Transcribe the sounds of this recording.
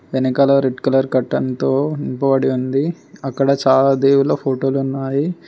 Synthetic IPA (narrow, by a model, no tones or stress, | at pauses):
ʋenɐkɐlɐɾeɖkɐlɐɾkɐʈːɐnt̪oːimpɐʋɐɽiund̪i | ɐkːɐɽɐt͡ʃaːlad̪eːwulɐpʰoːʈo̞ːlunːaːji